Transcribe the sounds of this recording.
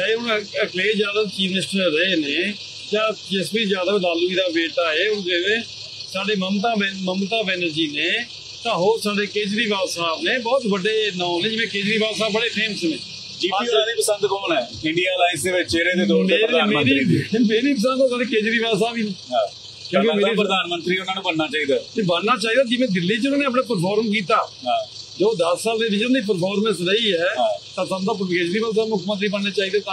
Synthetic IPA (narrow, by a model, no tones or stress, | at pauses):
eːʊnəkleːzjaːd̪aːt͡ʃiːʋnɪsʈəɾəeːneː | d͡ʒãːd͡ʒɪsbiːzjaːd̪aːlaːluːiːd̪aːbeːʈaːɦɛːʊnɡeʋẽː | saːɖeːməmt̪ãːbməmt̪aːbɛːnəɾd͡ʒiːneː | t̪ãːɦoːɾsaːɖeːkeːd͡ʒɾiːʋaːsaːbneːbɔːt̪ʋəɖeːnãːnẽːd͡ʒɪʋẽːkeːd͡ʒɾiːʋaːsaːbbəɽeːpʰeːmsnẽː | d͡ʒiːiːaːd̪iːpəsə̃nd̪kɔːnɛː | ɪɳɖijaːlaːɪset͡ʃeːɾẽːd̪eːd̪omeːnməːɾiːmeːɾiːpəsə̃nd̪saliːkeːd͡ʒɾiːʋaːs̬aːʋiːnɦãː | kjõːkemeːɾiːɾəd̪aːnmənt̪ɾiːɛʊnaːnũːbənnaːt͡ʃaːɦiːd̪aːt̪eːbənnaːt͡ʃaːɦiːd̪aːd͡ʒɪʋẽːd̪ɪlːiːd͡ʒʊnaːneːəp̬ɳaːp̬əɾpʰɔːɾmk̬iːt̪aːɦãː | d͡ʒoːd̪əsːaːld̪eːʋɪt͡ʃʊnːiːp̬əɾpʰɔːɾmə̃sɾəiːɛːt̪ãːsamd̪aːp̬keːd͡ʒɾiːʋaːs̬aːmʊkʰmənt̪̬ɾiːbənneːt͡ʃaːiːd̪aːt̪a